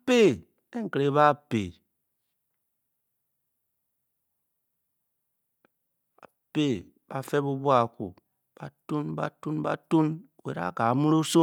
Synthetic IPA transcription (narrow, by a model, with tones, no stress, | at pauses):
pe˦˨ | e˦ŋ̩˨kɾe˨˦βa˦pḛ˨ | a̰˨pe˦˨ | b̥a˨fe˦bu˦bwa˨kṵ˨ | b̥a̰˨tu˦nba̰˦tu˦nba̰˦tu˦nu˨we˨ɾa̰˦˨ka˨mu˦ɾo˦so˦